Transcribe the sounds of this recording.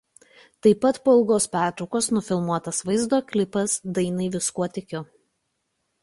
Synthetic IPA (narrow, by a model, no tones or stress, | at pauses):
t̪ɐɪpɐt̪poːɪlˠɡoːspʲæˑɾt̪ɾɒʊkoːsnʊfʲɪlˠmuɔt̪ɐsʋɐɪzd̪oːkʲlʲɪpɐsd̪ɐɪnɐɪʋʲɪskuɔt̪ʲɪkʲʊ